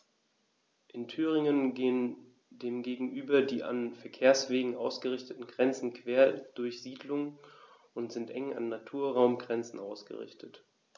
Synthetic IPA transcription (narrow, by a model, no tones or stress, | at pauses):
ʔɪntʰyːʁ̞ɪŋənɡeːən | deːmɡeːɡŋ̩ʔyːbɐdiːʔa̰nfɛɐkʰeːɐsv̥eːɡŋ̩ʔaʊsɡ̥əʁɪçtətn̩ɡʁɛnt͡sn̩kʰv̥eːɐd̥ʊɐçz̥iːdlʊŋ | ʔʊntz̥ɪntʔɛŋa̰nːatʰuːɐʁaʊmɡʁɛnt͡sn̩aʊsɡ̥ə̰ʁɪ̰çtʰət